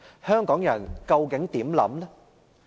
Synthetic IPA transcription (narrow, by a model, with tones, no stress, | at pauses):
hœː˥ŋkɔː˨˥ŋjɐ̰˨˩nkɐ˧wkɪ˨˥ŋt̪iː˨˥mlɐ̰˨˥mlɛ˦˥